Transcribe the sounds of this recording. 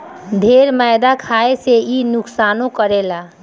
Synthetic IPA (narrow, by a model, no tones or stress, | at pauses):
d̪ʱeɾmaɪd̪akʰaeseinʊksanõkəɾela